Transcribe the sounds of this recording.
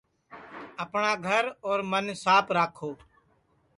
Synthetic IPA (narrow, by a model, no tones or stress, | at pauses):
əpɳaːɡʱəɾoːɾmənsaːpɾaːkʰoː